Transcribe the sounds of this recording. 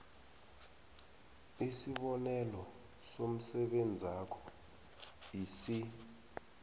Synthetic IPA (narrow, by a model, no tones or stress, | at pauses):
isiɓɔnɛlɔ | som̩sɛɓend͡zʱakʰɔ̥ | isi